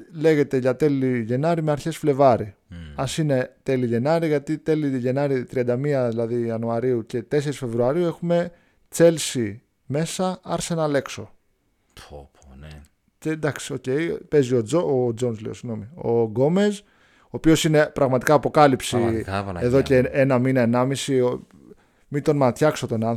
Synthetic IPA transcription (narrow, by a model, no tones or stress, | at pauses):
le̞ʝe̞t̪e̞ʝɐt̪e̞liʝe̞nɐɾimeɐɾçe̞sfle̞vɐɾiɐsine̞t̪e̞liʝe̞nɐɾiʝɐt̪it̪e̞liʝe̞nɐɾit̪ɾiɐnd̪ɐmiɐðilɐðiɐnuɐɾiuce̞t̪e̞se̞ɾisfe̞vɾuɐɾiue̞xume̞ | t͡se̞lsi | me̞sɐɐɾsenɐle̞kso̞ | o | cend̪ɐksi̥o̞ce̞jpe̞zio̞ood͡zo̞nzlḭosiɣno̞mio̞ɡo̞me̞z | oːpio̞sine̞pɾɐɣmɐt̪ikɐːpo̞kɐlipsieðo̞ceenɐminɐenɐmisio | mit̪o̞nmɐt̪çɐkso̞t̪o̞nɐ